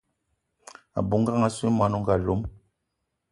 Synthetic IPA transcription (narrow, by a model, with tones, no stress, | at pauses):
a̰˨bu˨˦ŋ˦ɡa˦ŋa˦si˦ma˦nu˦ŋ˦ɡa˨lo˨˦m